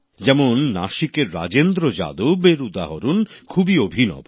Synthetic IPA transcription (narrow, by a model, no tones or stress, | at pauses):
d͡ʑɛmonːa̰ʃikeɾːa̰d͡ʑend̪ɾod͡ʑa̰d̪obeɾud̪aɦoɾunkʰubiobʱinɔ̰b